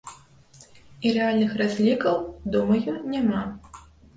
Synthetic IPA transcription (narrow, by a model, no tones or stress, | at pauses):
iɾɛalʲnɨxrazʲlʲikɐwd̪umɐjunʲama